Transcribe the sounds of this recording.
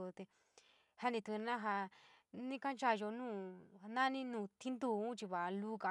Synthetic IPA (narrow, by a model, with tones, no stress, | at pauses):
t̪e˧ | ha˧nĩ˧t̪u˧nã˦ɦa˧nĩ˦kã˦nt͡ʃa˦˧ʒo˧nũː˦˨˧nã˦nĩ˦nũː˧t̪ʰi˦nd̪u˧˨ũ˦t͡ʃi˧βa˨˧lu˦ka˧